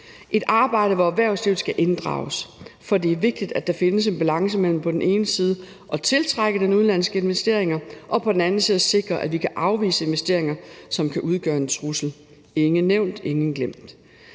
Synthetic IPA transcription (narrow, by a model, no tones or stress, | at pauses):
ʔe̝d̥ʔɑ̈ːb̥ɑ̈ɪ̰ɾ̥əʋɒæʋæɐʊsliʊð̩ˠsɡ̥æʔe̝nd̥ʁɑ̰̈ːʊsfɒ̽de̝æɐʋe̝ɡ̥̚d̥id̥æd̥ɑ̈fe̝nəs̬e̝nb̥ælɑ̈ŋsəmel̰m̩pʰɒ̽d̥en̩e̝ːnəsiːð̞ˠə | ʔɒ̽t͡sʰe̝lt͡sʰʁaɡ̥əd̥enuðˠnlæn̰sɡ̥əe̝nʋesd̥e̝ɐ̰e̝ŋɐʔɒ̽pʰɒ̽d̥en̩æn̩siːðˠəse̝ɡ̥ʁɐʔæʋikʰæʔɑ̈ʊʋḭːsəe̝nʋesd̥e̝ɐ̰e̝ŋɐsɒ̽mkʰæʔuð̞ˠɡ̥ɶːɐe̝nt͡sʰʁusl̩ | eŋ̩nːeʊ̰nd̥eŋn̩ɡ̥lem̰d̥